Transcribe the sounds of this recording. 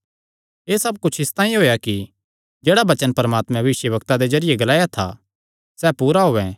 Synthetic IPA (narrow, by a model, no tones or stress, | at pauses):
eːsɐb̚kʊt͡ʃʰɪst̪ãːĩɦoːjaki | d͡ʒeːɽabɐt͡ʃənpɐɾəmaːt̪mɛ̃bɐʋɪʃjəbɐkt̪ad̪ezɐɾɪjeɡɐlaːjat̪ʰa̰ | sɛːpuːɾaɦoːɛ̃